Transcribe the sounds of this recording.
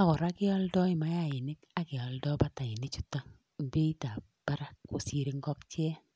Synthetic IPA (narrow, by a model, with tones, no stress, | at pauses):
a˦˨kɔ˨ɾa˦kɪ˦ɔ˦ldɔ˦ɪ˦˨ma˦ja˦˨ɪ˨nɪ˦ka˦kɪ˨ɔ˨ldɔ˦ba˦ta˨ɪ˨ni˦t͡ʃu̥˦ta˦˨ | bi˦i˦ta˨ | b̥a˦ɾa˦kːo˨si˨ɾi˦ŋɡɔ˦kt͡ʃjɛ˦